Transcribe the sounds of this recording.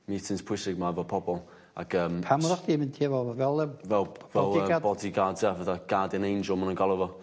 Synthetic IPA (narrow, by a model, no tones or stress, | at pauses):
mitʰɪnspʰwʊɪsɪɡ̚mavɔpʰɔbɔlˠ | a̰kʰəːmpʰamɔɾɔχd̥imɪntʰiəvɔvɛlˠɛmvɛlˠvɛlˠəbɔdiɡaːdsəvəðaɡ̥adɪnejnd͡ʒəlˠmənəŋɡalˠəvɔ